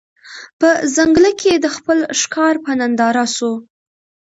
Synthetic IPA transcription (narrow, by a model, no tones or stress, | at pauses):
pəzaŋɡləkʰed̪əxpəlʃkɑɾpənand̪ɑɾaso